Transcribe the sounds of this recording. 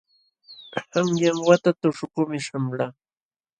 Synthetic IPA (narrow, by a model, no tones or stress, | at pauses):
hamjaŋwat̪at̪ʊʂʊkʊmɪʃamlaː